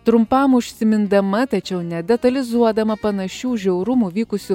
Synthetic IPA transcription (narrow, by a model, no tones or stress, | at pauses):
t̪ɾʊmpɐmʊʃʲsʲɪmʲɪnd̪ɐmɐt̪ɐt͡ʃʲɛʊnʲɛd̪ʲɛt̪ɐlʲɪzuɔd̪ɐmɐpɐnɐʃʲuːʒʲɛʊɾʊmuʋʲiːkʊsʲʊ